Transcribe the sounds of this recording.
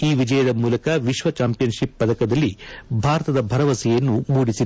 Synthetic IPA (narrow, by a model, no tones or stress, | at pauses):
iːʋid͡ʒɐjɐd̪ɐmuːlɐkɐʋiʃʋɐt͡ʃaːmpijɐnʃipːɐd̪ɐkɐd̪ɐlːibʱaːɾɐt̪ɐd̪ɐbʱɐɾɐʋɐsijɐnːumuːɽisi